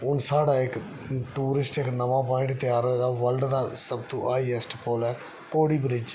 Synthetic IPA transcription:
ʊnsaːɽaːɪk | ʈuːɾɪsʈɪknəʋãːpãːɪ̃ɳʈt̪ɪjaːɾəd̪aːʋəlɖd̪aːsəbt̪õːʔaːiːɛsʈpoːlɛː | koːɽiːbɾɪd͡ʒ

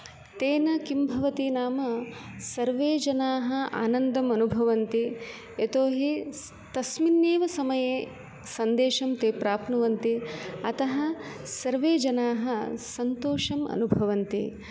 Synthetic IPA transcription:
t̪eːnɐkimbʱɐʋɐt̪inaːmɐsɐɾʋeːd͡ʒɐnaːɦɐ̆a̰ːnɐnd̪ɐmɐnubʱɐʋɐnt̪i | et̪oːɦi | t̪ɐsminːeːʋɐsɐmɐjeː | sɐnd̪eːʃɐmt̪eːpɾaːpnɐʋɐnt̪iɐt̪ɐɦɐsɐɾʋeːd͡ʒɐnaːɦɐsɐnt̪oːʂɐmɐ̰nubʱɐʋɐnt̪ḭ

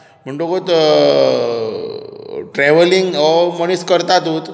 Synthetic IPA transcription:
m̤əɳʈokot̪ | ʈɾɛʋəliŋɡɔməɽ̃iskəɾt̪at̪ut̪

